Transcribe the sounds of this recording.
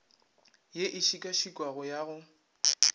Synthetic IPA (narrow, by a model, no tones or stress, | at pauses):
jeʔɪʃikʼaʃikʼwaɣʊjaɣʊ